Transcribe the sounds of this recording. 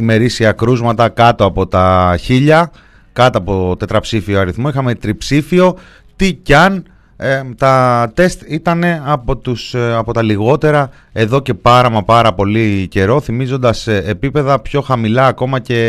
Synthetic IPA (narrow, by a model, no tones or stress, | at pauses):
ime̞ɾisiɐkɾuzmɐt̪ɐkɐt̪oɐpo̞t̪ɐçiʎɐ | kɐt̪oɐpo̞t̪e̞t̪ɾɐpsifioɐɾiθmoixɐme̞t̪ɾipsifio̞ | t̪icɐn | t̪ɐt̪e̞st̪it̪ɐne̞ɐpot̪usɐpo̞t̪ɐliɣo̞t̪e̞ɾɐ | e̞ðo̞ce̞pɐɾɐmɐpɐɾɐpo̞lice̞ɾo̞θimizo̞nd̪ɐseːpipe̞ðɐpço̞xɐmilɐːko̞mɐce̞